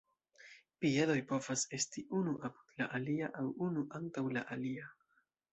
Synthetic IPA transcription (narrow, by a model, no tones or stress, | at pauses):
pie̞lo̞jpo̞vase̞stiʔunuʔapu̥d̥̪laʔaliaʔawunuʔantawlaʔalia